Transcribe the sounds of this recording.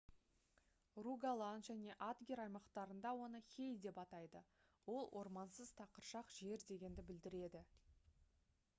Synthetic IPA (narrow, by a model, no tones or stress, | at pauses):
ruɡalˠanʒæne̞ʔat̪ɡʲeɾɑjmɑqt̪ɑɾənd̪ɑwo̞nəkʲe̞jd̪e̞pɑt̪ɑjd̪ə | wo̞lˠwʔo̞̰ɾmɑnsəz̥t̪ʰɑqəɾʃɑqʒe̞ɾd̪e̞ɡʲe̞nd̪ɪbɪld̪ɪɾe̞d̪ɪ